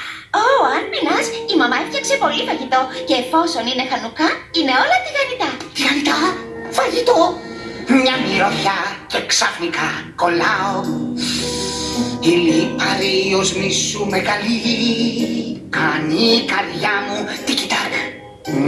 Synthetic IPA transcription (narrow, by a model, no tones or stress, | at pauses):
oɐnminɐsimɐmɐefçɐksepo̞lifɐʝit̪o̞ce̞ːfo̞so̞nine̞xɐnukɐine̞o̞lɐt̪iɣɐnit̪ɐt̪iɣɐnit̪ɐ | fɐʝit̪o | mɲɐmiɾoçɐceksɐfnikɐko̞lɐo | ilipɐɾiozmisumeɣɐli | kɐnikɐɾðʝɐmut̪icit̪ɐk